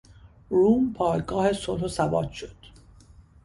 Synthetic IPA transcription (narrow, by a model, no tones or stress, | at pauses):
ruːmpʰɒːjɡɒːhe̞solhosævɒ̰ːt̪ʃod̪̥